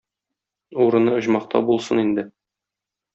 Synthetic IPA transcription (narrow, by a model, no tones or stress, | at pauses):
uɾɤ̆nɤŏʑmɑqt̪ɑ̰bulˠsɤnind̪ɘ